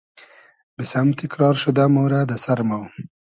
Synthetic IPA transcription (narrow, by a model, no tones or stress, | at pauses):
bɪsamt̪ɪkɾɑːɾʃud̪amoɾad̪asaɾmaw